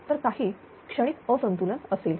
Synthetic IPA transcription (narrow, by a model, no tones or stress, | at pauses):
t̪əɾkaɦiː | kʂəɽ̃iːt̪əsənt̪ulənəseːl